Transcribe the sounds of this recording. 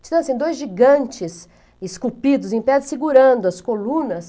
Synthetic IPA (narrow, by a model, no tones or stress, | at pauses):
t͡ʃid̪ɐ̃sẽd̪ojzʒiɡɐ̃nt͡ʃɪs | ɪskupid̪ʊzẽj̃pɛd͡ʒ̪ɪsiɡuɾɐ̃nd̪ʊɐskolũnɐs